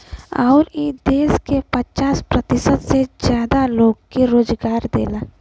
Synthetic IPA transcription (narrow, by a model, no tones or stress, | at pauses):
aʊɾid̪eːskepət͡ʃaːspɾət̪ɪsət̪sezjaːd̪aloːɡkeɾoːd͡ʒɡaːɾd̪ḛːlaː